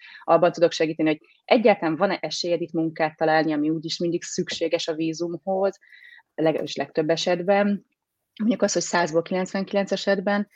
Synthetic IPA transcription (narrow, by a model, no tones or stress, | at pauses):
ɒbːɒnt̪ud̪o̞kʃɛɡiːt̪ɛnihoɟ̚ | ʔɛɟːaːɾt̪ɒlɱvɒnɛʔɛʃeːjɛd̪it̪muŋkaːt̪ːɒlaːlniɒmiuːɟiʃmind̪iksykʃeːɡɛʃɒviːzumho̞z | lɛɡɛ̰biʃlɛk̚t̪øbːɛʃɛd̪bɛn | moɲɟukɒsho̞csaːzbolkilɛnt̪sʋɛŋkilɛnt̪sɛʃɛd̪bɛn